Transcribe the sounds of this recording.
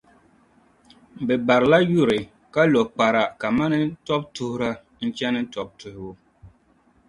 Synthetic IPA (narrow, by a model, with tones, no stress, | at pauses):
bɛ˨ba˨ɾɨ˨la˦ju˦˨ɾɨ˨ | ka˦lɔ˨k͡pa˨ɾa˨ka˨ma˦nɨ˦tɔ˦b̚tʊ˦hʊ˦ɾa˦ | n̩˦t͡ʃɛ˦nɨ˦tɔ˨b̚tʊ˨hɪ˨bʊ˦